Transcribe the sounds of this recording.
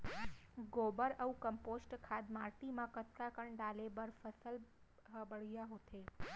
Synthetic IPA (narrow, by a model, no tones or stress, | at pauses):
ɡobəɾəũkəmposʈkʰad̪maɾt̪imãkət̪kakəɳɖalebəɾfəsəl | ɦəbəɭjaɦot̪ʰe